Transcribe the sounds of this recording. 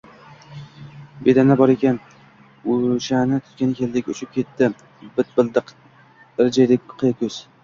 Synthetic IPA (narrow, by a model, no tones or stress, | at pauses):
be̞d̪anabɒɾe̞kʲan | ʊʃanɪt̪ʰʊ̥t̪̚kʲanɪkʲʰe̞ld̪ɪkʲʊt͡ʃʰɪp̚kʲʰe̞t̪ːɪ | bɪt̪̚bɪld̪ɪq | ɾd͡ʒajd̪ɪk̚ʲqʰɨjakʰʲɵz̥